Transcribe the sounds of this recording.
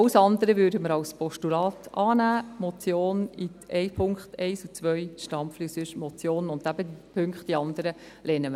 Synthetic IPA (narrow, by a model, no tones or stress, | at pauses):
wsɑnd̪əɾəvødəməɾɑlspʰɔʃtulɑːt̪ɑːnæːmɔt͡sjoːniɛɪpʰʊŋkχtɛɪsut͡sʋœʏʃtɑmflyːsyʃmɔt͡sjoːnənʊnd̥æb̥ədipʰʏŋkχtd̥iɑndəɾə | lɛːnəmə